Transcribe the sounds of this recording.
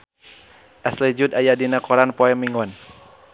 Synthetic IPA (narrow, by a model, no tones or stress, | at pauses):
ʔaslɛd͡ʒud̪ajadinakɔɾanpɔɛmiŋɔn